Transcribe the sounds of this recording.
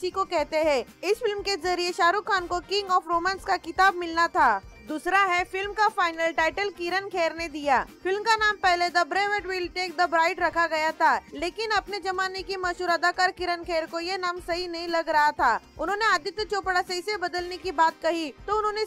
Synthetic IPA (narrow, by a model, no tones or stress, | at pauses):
t͡ʃikokɛɦt̪eɦɛ̃ɪsfɪlmkezɐɾieʃaːɾuːkʰːaːnkokɪ̃ŋɡɔːfɾoːmãːnskakɪt̪aːb̚mɪlnat̪ʰaːd̪uːsɾaɦɛfɪlmkafaːɪnəlʈaːɪʈəlkɪɾənkʰeːɾned̪ijaːfɪlmkanaːmpɛɦled̪ɐbɾeːʋeʈwɪlʈeːk̚d̪ɐbɾaːɪʈɾɐkʰaɡɐjat̪ʰaːleːkɪnɐpned͡ʒɐmaːnekimɐʃuːɾɐd̪aːkaːɾkɪɾənkʰeːɾkojenaːmsɐɦinɐɦĩlɐɡɾɐɦat̪ʰaːʊnɦõːneaːd̪ɪt̪t͡ʃoːpɽasɐiɪsebɐd̪əlnekibaːt̪̚kɐɦit̪oʊnɦõːne